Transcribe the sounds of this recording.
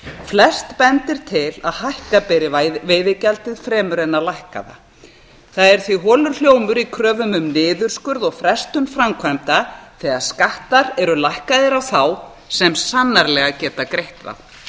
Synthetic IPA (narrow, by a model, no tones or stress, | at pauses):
flɛst̪pɛnt̪ɪɾ̥t̪ʰɪlaðhajhkapɛɾɪveːjðɪcalt̪ɪðfɾɛːmʏɾɛnːalajhka̰ða̰ | θaðɛɾ̥θviɦɔːlʏɾ̥l̥joːwmʏɾikʰɾœːvʏmʏmnɪːðʏɾ̥skʏɾðɔɣfɾɛst̪ʏnfɾamkʰvajmt̪aθɛɣaðskaht̪aɾɛɾʏlajhkaðɪɾawθaw | sɛmsanːaɾlɛɣacɛːt̪akɾejht̪va̰ð